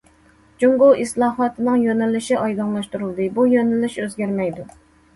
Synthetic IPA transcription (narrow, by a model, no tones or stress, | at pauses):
d͡ʒuŋɡoʔislˠɑːɦɑt̪ʰɨnɨŋjønɪlɪʃiʔɑjd̪ɑŋlˠɑʃt̪uɾulˠd̪ɨbujønɪlɪʃøzɡʲæɾmɛjd̪u